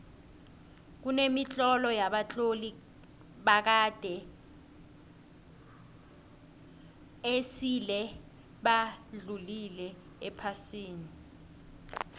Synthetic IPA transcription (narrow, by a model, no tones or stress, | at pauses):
k̬unemit͡ɬʼɔlɔjaɓat͡ɬʼoli | ɓak̬ad̥ʱɛ | esilɛ | ɓaɮulilɛ | ɛpʰasiːni